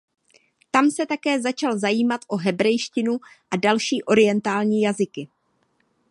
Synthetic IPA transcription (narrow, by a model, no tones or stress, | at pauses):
t̪amsɛt̪akɛːzat͡ʃalzajiːmat̪ʔo̞ɦɛbɾɛjʃcɪnuʔadalʃiːʔo̞ɾɪjɛnt̪aːlɲiːjazɪkɪ